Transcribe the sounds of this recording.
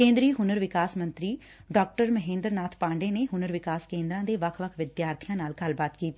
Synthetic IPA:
kẽːnd̪ɾiːɦʊnəɾʋɪkaːsmə̃nt̪ɾiː | ɖɔːk̚ʈəɾməɦẽːnd̪əɾnaːt̪ʰpãːɳɖeːneːɦʊnəɾʋɪkaːskẽːnd̪ɾãːd̪eːʋəkʰʋəkʰʋɪd̪jaːɾt̪ʰijãːnaːlkəlbaːt̪kiːt̪ː

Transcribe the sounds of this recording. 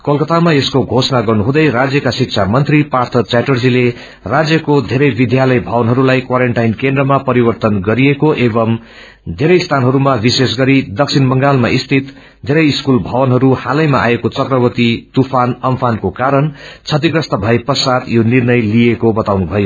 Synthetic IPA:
kʌlkʌt̪amaeskoɡʱosʌnaɡʌrnuɦũd̪ʌjrad͡zjʌkasik̚t͡sʰamʌnt̪ripart̪ʰʌt͡saʈʌrd͡zile | rad͡zjʌkod̪ʱeɾʌjbid̪ʱjalʌjbʱʌwʌnɦʌɾulajkwaɾeɳʈajnkẽnd̪rʌmapʌɾibʌrt̪ʌnɡʌɾiekoʔebʌm | d̪ʱeɾʌjst̪ʰanɦʌɾumabises̬ɡʌɾid̪ʌk̚sʰinmʌŋɡalmaʔist̪ʰit̪ | d̪ʱeɾʌjiskulbʱʌwʌnɦʌɾuhalʌjmaʔa̰ekot͡sʌkrʌbʌt̪it̪upʰanʌmpʰankokaɾʌnt͡sʰʌt̪̬iɡrʌst̪ʌbʱʌeprʌsat̪jonirnʌjlijekobʌt̪awnubʱʌjo

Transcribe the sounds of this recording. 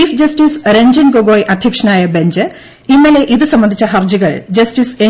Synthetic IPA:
iːfd͡ʑɐstiːsɾeɲd͡ʑɐnɡoɡoːjʔɐd̪ʱjɐkʂɐnaːjɐbeɲd͡ʑɨ | inːɐle̞ʔiðɨsɐmːɐnd̪ʱit͡ɕːɐɦɐrd͡ʑiɣɐɭd͡ʑɐsʈise

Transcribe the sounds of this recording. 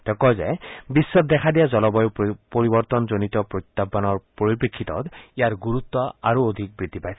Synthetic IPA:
t̪ɔkɔzɛbisːɔt̚d̪ɛkʰadijazɔlɔbɔjʊpoɹibɔɹt̪ɔnzonit̪ɔpɹot̪ːabanɔɹpoɹipekʰːit̪ɔ̰t̪ijaɹɡuɹut̪ːɔaɹuod̪ʱik̚bɹid̪ʱːipajs

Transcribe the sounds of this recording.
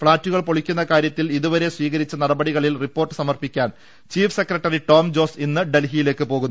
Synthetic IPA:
fɭaːtːuɣɐɭpoɭikʲːunːɐkaːɾjɐt̪ːiliðuʋɐɾe̞sʋiːɣɐɾit͡ɕːɐnɐɽɐbɐɽiɣɐɭilripːo̞ːrʈːɨ̥sɐmɐrpikʲːaːn | t͡ɕiːfse̞krɐʈːɐriʈo̞ːmd͡ʑo̞ːsinːɨɖe̞lɦijile̞ːkːɨpo̞ːɣunː

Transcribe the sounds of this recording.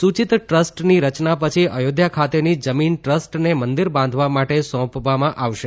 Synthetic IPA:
sut͡ʃit̪ʈɾəsʈniɾət͡ʃnapət͡ʃʰiʔəjod̪ʱjakʰat̪enid͡ʒəminʈɾəsʈnemənd̪iɾbãnd̪ʱʋamaʈesɔ̃pʋamãʔaʋʃe

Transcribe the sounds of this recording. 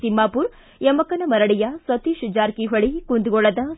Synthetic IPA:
simːaːpuːɾ | jɐmɐkɐnɐmɐɾɐɽijɐsʋɐt̪iʃud͡ʒaːɾkiɦɐɭikund̪uɡɔɭɐd̪ɐ

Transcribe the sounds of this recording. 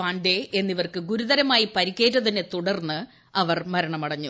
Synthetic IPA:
aːɳɖee̞nːiʋɐrkɨɡuɾuðɐɾɐmaːjipɐɾikʲːe̞ːtːɐðɐnːet̪uɽɐrnːɨ | ɐʋɐrmɐɾɐɳɐmɐɽɐɲːu

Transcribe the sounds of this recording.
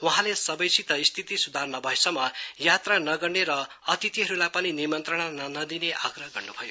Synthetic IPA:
wuɦãlesʌbʌjsʰit̪ʌist̪ʰit̪isud̪ʱarnʌbʱʌjsʌmʌjat̪ranʌɡʌrneɾʌ | ʌt̪it̪iɦʌɾulajpʌninimʌnt̪rʌɽ̃anʌnʌd̪ineʔaɡrʌɦʌɡʌrnubʱʌjo

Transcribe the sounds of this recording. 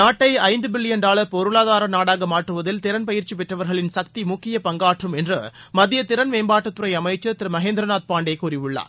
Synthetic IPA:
naːʈːɐɪɐɪnd̪ɯbɪlːɪjɐnɖaːɭɐpɔɾɯɭaːðaːɾɐnaːɽaːɣɐmaːʈrɯʋɐðɪlt̪ɪɾɐnpɐjɪɾt͡ʃipɛʈrɐʋɐɾɣɐɭɪnsɐk̚t̪imʊkːɪjɐpɐŋɡaːʈrɯmɛndrɯmɐðɪjɐt̪ɪɾɐnʋeːmbaːʈːɐt̪ːʊɾɐɪɐmɐɪt͡ʃːɐt̪ɪɾmɐɦeːnd̪ɾɐnaːt̪̚paːɳɖeɪkuːɾɪʋɯɭːa̰ːɾ

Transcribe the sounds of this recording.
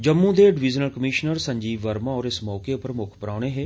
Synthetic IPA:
d͡ʒəmːũːd̪eːɖɪʋid͡ʒənəlkəmiːʃnəɾsəɲd͡ʒiːʋəɾmãːɔːɾɪsmɔːkeːʊpəɾəmʊkʰpəɾaːɽ̃eːɦeː

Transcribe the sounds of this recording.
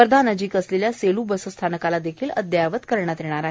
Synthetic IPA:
ɾəd̪ʱanəd͡ʑiːkəsleljaseluːbəsəst̪ʰanəkalad̪ekʰiːləd̪jaʋət̪kəɾɳjat̪jɛɽ̃aɾaɦe

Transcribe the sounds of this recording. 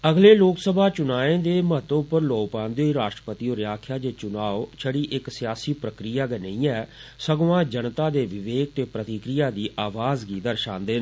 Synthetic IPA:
əɡleːloːksəbaːt͡ʃʊnaːẽːd̪eːməɦət̪opəɾloːɡpãːnd̪eːɦiːɾaːʃʈɾəpət̪iːoːɾjaːkʰjaːd͡ʒeːt͡ʃʊnaːot͡ʃʰəɽiːʔɪksɪjaːsiːpɾəkɾijaːɡənəĩːɛːsəɡʋãːd͡ʒənt̪aːd̪eːʋɪʋeːk̚t̪eːpɾət̪ɪkɾijaːd̪iːʔaːʋaːzɡiːd̪əɾʃãːnd̪eː

